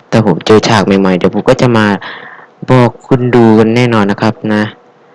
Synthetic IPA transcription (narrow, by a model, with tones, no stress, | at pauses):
t̪ɛː˧˩pʰo˨˦mt͡ɕɤː˧˩t͡ɕʰaː˧˩k̚ma˧˩jma˧˩jt̪ɛː˧˩pʰu˧˦kɔː˥˩t͡ɕa˧˦maː˧ | bɔː˧˩kkʰu˧nduː˧ka˧nːɛː˥˩nɔː˧nːa˧˥kʰa˦˥p̚na˦˥